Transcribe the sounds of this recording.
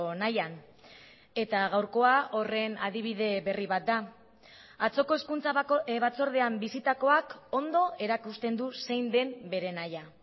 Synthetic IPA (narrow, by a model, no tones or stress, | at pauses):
najan | e̞t̪aɣawɾko̞ao̞re̞nað̞iβ̞iðe̞βe̞riβat̪̚d̪a | at͡so̞ko̞eskunt͡saβat͡so̞ɾð̞e̞ambisit̪ako̞ako̞nd̪o̞ʔe̞ɾakust̪e̞nd̪use̞jnd̪e̞mbe̞ɾe̞naja